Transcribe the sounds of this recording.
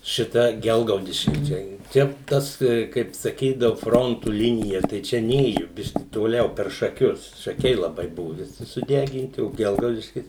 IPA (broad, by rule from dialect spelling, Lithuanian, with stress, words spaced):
ʃʲɪˈtɐ ˈɡʲɛlˠɡɐʊdʲɪʃʲkʲɪ ˈt͡ʃʲɛ ˈt͡ʃʲɛ ˈtɐs kɐɪp sɐˈkʲiːdɐʋʊ ˈfroːntʊ ˈlʲɪnʲɪjɛ tɐɪ ˈt͡ʃʲɛ ˈnʲeːjʊ ˈbʲɪʃʲkʲɪ toːˈlʲɛʊ pʲɛr ʃɐˈkʲʊs ʃɐˈkʲɛɪ lˠɐˈbɐɪ ˈbʊʋʊ ʋʲɪˈsʲɪ sʊˈdʲæːɡʲɪnʲtʲɪ oː ˈɡʲɛlˠɡɐʊdʲɪʃʲkʲɪs